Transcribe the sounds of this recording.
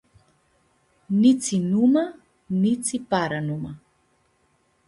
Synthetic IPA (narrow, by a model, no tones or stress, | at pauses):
nit͡sinuma | nit͡sipaɾanuma